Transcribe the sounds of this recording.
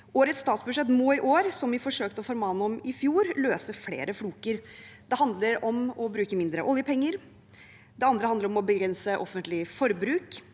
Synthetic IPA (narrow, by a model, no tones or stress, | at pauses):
ʔoːɾət̪st̪ɑːt̪sbʉʂɛt̪ːmoːɪʔoːɾsɔmʋɪfɔʂøːk̚t̪əɔfɔɾmɑnːɔmɪfjuːɾløːsəɾflḛːɾəfluːkəɾ | d̪̥ɛɦɑnd̪ləɾɔmɔbɾʉːkəmɪnd̪ɾəʔɔljəpʰɛŋːəɾ | d̪ɛɑnd̪ɾəhɑnd̪əɾɔmɔbəɡɾɛnsəʔɔfːənt̪lɪfɔɾbɾʉːk